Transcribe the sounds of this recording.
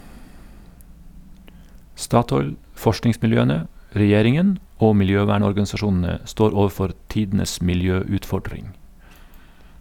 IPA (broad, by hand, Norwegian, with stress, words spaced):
ˈstɑːtɔʏl ˈfɔʃʈnɪŋsmɪlˌjøːənə ɾɛˈjeːɾɪŋən ˈoː mɪlˈjøːʋæːɳɔɾɡɑnsɑˌʃuːnn̩ə ˈstoːɾ ˈoːʋˌfɔɾ ˈtiːdn̩əs mɪlˈjøːʉːtˌfɔɖɾɪŋ